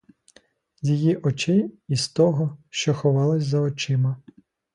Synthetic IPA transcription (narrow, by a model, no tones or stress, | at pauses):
jʲijiʔɔt͡ʃɪist̪ɔɦɔʃt͡ʃɔxɔʋɑlˠɪsʲzɐɔt͡ʃɪmɐ